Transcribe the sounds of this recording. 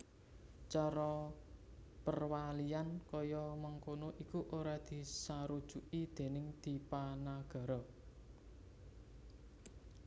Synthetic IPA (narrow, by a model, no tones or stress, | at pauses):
t͡ʃaɾɔ | pərwaliankɔjɔmaŋkonoʔikuʔoɾad̪̥i̤saɾud̥ʒ̥ṳʔid̪̥e̤nɪŋd̪̥i̤panaɡ̥a̤ɾɔ